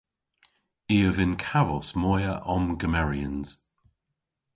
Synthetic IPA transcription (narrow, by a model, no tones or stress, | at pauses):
iːəvɪnkʰavɔsmɔjəʔɔmɡəmɛɹiə̃nz̥